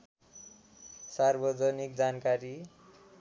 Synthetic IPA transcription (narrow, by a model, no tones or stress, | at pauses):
sarbʌd͡zʌnik̚d͡zankaɾi